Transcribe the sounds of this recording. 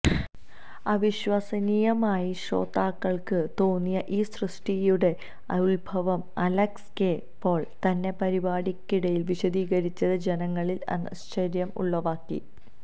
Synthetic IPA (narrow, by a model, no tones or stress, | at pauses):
ɐʋiɕʋɐsɐnijɐmaːjiɕo̞̰ːt̪ːaːkːɐɭkɨt̪o̞ːnːijɐʔiːsrɨʂʈijuɽe̞ | ɐuɭbʱɐʋɐmɐlɐkske | pːo̞ːɭt̪ɐnːe̞pɐɾibaːɽikʲːiɽɐjilʋiɕɐd̪iːɡɐɾit͡ɕːɐðɨd͡ʑe̞nɐŋːɐɭilɐ̰nɐst͡ɕɐɾjɐmṵɭːɐʋaːkːḭ